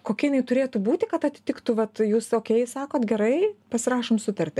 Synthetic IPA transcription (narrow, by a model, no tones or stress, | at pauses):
koːkʲɛjɪnɐɪt̪ʊɾʲeːt̪ubuːt̪ʲɪkɐt̪ɐt̪ʲɪ̥t̪ʲɪkt̪ʊʋɐt̪juːsoːkʲɛɪsɑːkoːt̪ɡʲɛɾɐɪpɐsʲɪɾɑːʃoːmsʊt̪ɐɾʲt̪ʲɪ